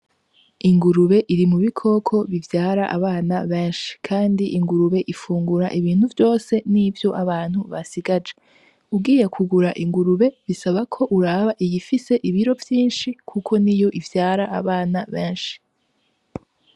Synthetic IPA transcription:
iŋɡuɾuβe̞ʔiɾimuβikʰo̞kʰo̞βivjaːɾaʔa̰βaːnaβeːnʃi̥kʰaːndiʔiŋɡuɾuβe̞ʔifuːŋɡuɾaʔiβiːn̥huvjo̞ːse̞nivjo̞ʔaβaːn̥huβasiɡad͡ʒe | ubɡiːje̞kʰuɡuɾaʔiŋɡuɾuβe̞βisaβakʰo̞ʔuɾaːβaʔijifise̞ʔiβiɾo̞vjiːnʃikʰukʰo̞nijo̞ʔivjaːɾaʔaβaːnaβeːnʃi̥

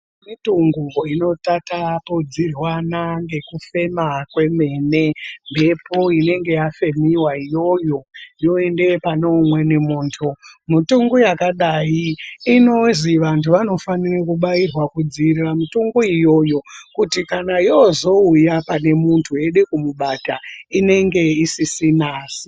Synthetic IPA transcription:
mituŋɡuŋɡoino̞tatapod͡zirwanaŋɡe̞kufe̞makwe̞me̞ːne̞mbʱe̞poine̞ŋɡe̞jafe̞miwaijo̞jo̞jo̞e̞nde̞pano̞mwe̞nemuːntʰumutuŋɡojakaɗaiːnoziʋantʰuʋano̞fanirakuɓairwakud͡ziriramutuŋɡoijo̞jo̞kutikanajozo̞ujapane̞muntʰue̞ɗukumuɓataine̞ŋɡe̞isisinaːsi

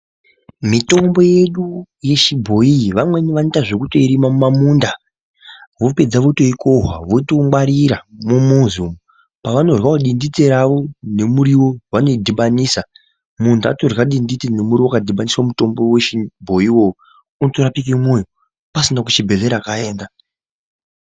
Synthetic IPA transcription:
mito̞mbo̞je̞ɗu | je̞ʃibʱo̞iʋamwe̞niʋanetaʐe̞kuto̞iɾimamumamunda | ʋo̞pe̞d͡zaʋoito̞ikoɦwa̰ʋo̞toŋwaɾiɾamumuzum | paʋano̞rwaoɗindit͡seɾaʋo̞ne̞muɾiwo̞wano̞idʱiɓaniːsa | muntʰua̰torɣaɗindit͡sene̞muɾiwokadʱiɓaniswamuto̞mbo̞weʃibʱo̞iwo̞o | untoɾapik̬imojo | pasinakut͡ʃibʱeɮe̞ɾakae̞ːnda

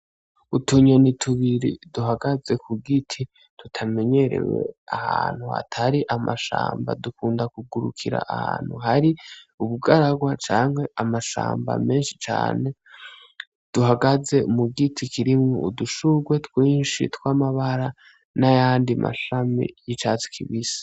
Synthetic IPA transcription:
utuɲonitʰuβiɾḭduɦaɡaze̞kʰuɡitʰi | tutʰame̞ɲe̞ɾe̞̰we̞̰ahaːn̥hua̰tʰaɾiʔamaʃa̰ːmba̰dukuːndakuɡuɾṵkʰiɾa̰ʔaha̰ːn̥huhaɾiuβuɡaɾaɡwat͡ʃaːŋhwe̞ʔamaʃa̰ːmba̰me̞ːnʃi̥t͡ʃa̰ːne̞ | d̥uɦaɡaze̞muɡitʰikʰiɾimŋoʔuduʃuɡwetkwiːnʃḭtkwaːmaβaɾa | najaːndimʔa̰ʃamḭjit͡ʃaːt͡si̥kʰiβisḁ

